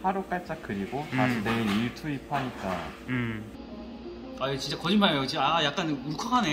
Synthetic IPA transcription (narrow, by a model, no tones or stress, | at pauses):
haɾok͈aɭt͡ɕ͈akɯɾiɡotasʰineeiɭtʰuipʰaɲit͈a | aot͡ɕint͡ɕ͈akʌd͡ʑinmːajot͡ɕiaajak̚k͈anmukʰaɡane